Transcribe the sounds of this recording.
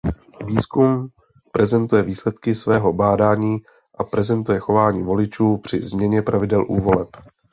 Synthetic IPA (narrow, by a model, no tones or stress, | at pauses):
viːskum | pɾɛzɛnt̪ujɛviːslɛt̪kɪsvɛːɦo̞baːdaːɲiː | ʔapɾɛzɛnt̪ujɛxo̞vaːɲiːvo̞lɪt͡ʃuːpr̝̥ɪzmɲɛɲɛpɾʔavɪdɛlʔuːvo̞lɛp